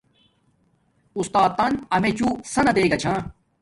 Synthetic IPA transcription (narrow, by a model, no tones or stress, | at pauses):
ust̪aːt̪ːɐnɐmẽt͡ɕuːsɐnɐbeːɡɐt͡ɕʰãː